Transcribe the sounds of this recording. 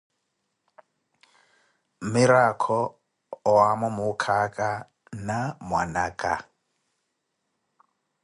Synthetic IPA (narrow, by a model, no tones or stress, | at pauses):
mɪɾakʰɔ | ɔamɔmʊkʰakʼa | namwanaːkʼa̰